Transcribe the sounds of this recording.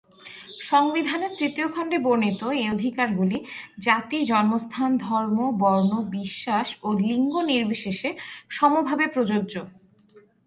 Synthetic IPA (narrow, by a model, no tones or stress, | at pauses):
ʃɔŋbid̪ʱaneɾt̪ɾit̪iokʰɔɳɖeboɾnit̪oejod̪ʱikaɾɡulid͡ʑat̪id͡ʑɔnost̪ʰand̪ʱɔɾmobɔɾnobiʃːaʃoliŋɡoniɾbʱiʃeʃeʃɔmobʱabepɾod͡ʑoːd͡ʑo